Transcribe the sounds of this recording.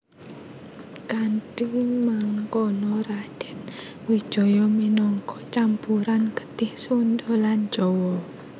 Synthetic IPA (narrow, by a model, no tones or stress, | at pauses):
kaɳʈimaŋkɔnɔɾad̥ɛnwid̥ʒ̥ɔ̤jɔminɔŋkɔt͡ʃampuɾankə̥t̪ɪhswund̪ɔland͡ʒ̥ɔwɔ